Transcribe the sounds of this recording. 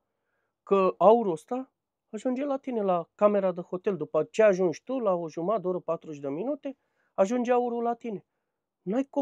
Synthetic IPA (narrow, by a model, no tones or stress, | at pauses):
kəauɾuost̪aː | ʒund͡ʒelat̪inelakame̞ɾad̪eho̞t̪eld̪upət͡ʃeaʒunʒt̪ulaoʒumad̪oɾəpat̪ɾuʃd̪əminut̪e | aʒund͡ʒeauɾulat̪ine̞ | najko